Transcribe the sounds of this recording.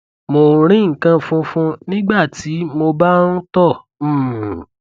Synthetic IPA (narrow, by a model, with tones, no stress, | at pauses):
mõ˧˨˧ɾ̃ĩ˦ŋ̩˨kã˧fũ˧fũ˧nĩ˦ɡ͡ba˦˨ti˨˦mo˧ba˦ñ̩˦tɔ̃˦˨˦